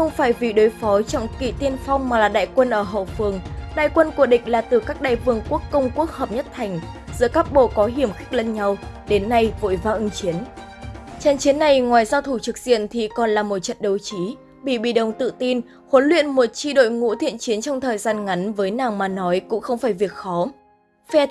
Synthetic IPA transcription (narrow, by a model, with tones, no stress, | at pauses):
xə˧wŋ͡mfaː˧˩jvḭ˨˩ɗo˨˦jfɔ˨˦t͡ɕɔ̰˧˩wŋ͡mkḭ˧˨t̪i˧ənfa˧wŋ͡mmaː˨˩laː˨˩ɗa̰ː˧˨jkwə˧nʔəː˧˩ɦo̰˧˨fɨ˨˩əŋɗa̰ː˧˨jkwə˧nku˧˩əɗï˧˨˩ŋ̟laː˨˩t̪ɨ˨˩kaː˦˥k̚ɗa̰ː˧˨jvɨ˧˩əŋku˦˥əkːə˧wŋ͡mku˦˥ək̚həː˨˩p̚ɲə˦˥t̚t̪ʰa˨˩jŋ̟zɨ̰˧˥əkaː˦˥k̚ɓo̰˧˨kɔ˨˦ɦi˧˩əmxi˦˥k̟̚lə˧nɲa˧wɗe˨˦nːa˧jvo̰˧˨jvaː˧ʔɨ˧ŋt͡ɕi˨˦ən | t͡ɕɛ˧nt͡ɕi˨˦ənːa˨˩jŋwaː˨˩jzaː˧wt̪ʰu˧˩t͡ɕɨ˨˩k̚zḭ˧˨ənt̪ʰi˨˩kɔ˨˩nlaː˨˩mo˨˩t̚t͡ɕə̰˧˨nɗə˨˩wt͡ɕi˨˦ | ɓḭ˧˩ɓḭ˧˩ɗə˨˩wŋ͡mt̪ɨ̰˧˨t̪i˧n | ho˨˦nlwḭ˧˨ənmo˨˩t̚t͡ɕi˧ɗo̰˧˨jŋṵ˧˥t̪ʰḭ˧˨ənt͡ɕi˨˦ənt͡ɕɔ˧wŋ͡mt̪ʰəː˨˩jzaː˧nŋa˨˦nvəː˨˦jnaː˨˩ŋmaː˨˩nɔ˨˦jkʊ̰˧˥ŋ͡mxə˧wŋ͡mfaː˧˩jvi˨˩ək̚xɔ˨˦ | fɛ˧